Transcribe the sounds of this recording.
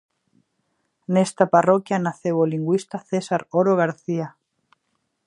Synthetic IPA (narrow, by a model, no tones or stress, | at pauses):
nɛst̪aparokjanaθeβoliŋɡwist̪aθɛsaɾoɾoɣaɾθia